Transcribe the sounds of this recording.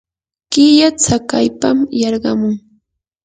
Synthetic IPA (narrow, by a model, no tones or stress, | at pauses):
kɪjat͡sakajpamjɑɾɢɑmʊŋ